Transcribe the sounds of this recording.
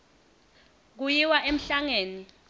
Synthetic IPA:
k̬ujiwaʔem̩ɬaŋeːni

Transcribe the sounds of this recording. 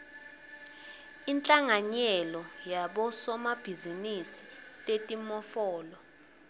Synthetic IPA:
int͡ɬʼaŋaɲɛlɔjaɓɔsɔmab̥ʱizinisitʼetʼimɔfɔːlɔ

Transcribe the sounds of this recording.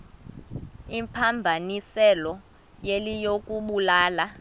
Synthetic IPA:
impʰambʱanisɛlɔ | jelijok̬ʼuɓulaːla

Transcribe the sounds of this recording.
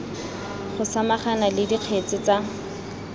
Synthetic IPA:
χʊsamaχanalɪdiq͡χʰet͡sɪt͡sa

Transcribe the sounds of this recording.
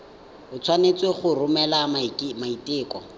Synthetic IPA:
ʊt͡sʰwanet͡sweχʊrʊmɛlamaitʼɪːkɔ̰

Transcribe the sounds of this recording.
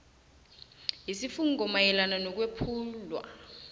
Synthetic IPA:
jisifuŋk̬ʼɔmajɛlananɔk̬wepʰuːlwa̰

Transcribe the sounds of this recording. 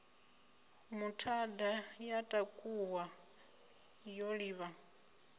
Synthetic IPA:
mutʰadajatʼakʼuwa | joɺiːβa

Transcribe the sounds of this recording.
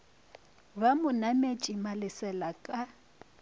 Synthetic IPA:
bamʊnamet͡ʃʼimalɪsɛlakʼa

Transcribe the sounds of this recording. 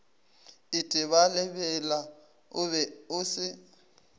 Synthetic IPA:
ɪtʼɪβalɛbɛla | ʊβɛʊsɪ

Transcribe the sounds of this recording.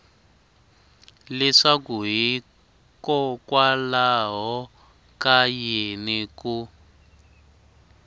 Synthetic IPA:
lɛʂakuɦi | kɔkwalaɦɔ | kajeniku

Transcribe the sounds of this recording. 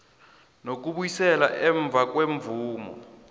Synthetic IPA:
nok̬uɓujisɛla̰ʔɛɱb̪vʱak̬ʼweɱvuːmɔ̰

